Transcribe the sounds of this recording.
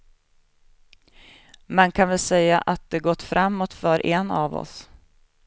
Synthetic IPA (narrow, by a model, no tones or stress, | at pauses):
mɛnkʰanvɪlsɛjːaʔat̪̚d̪ɛɡɔt̪ːfɾamːot̪fœɾʔɛnavɔ̰s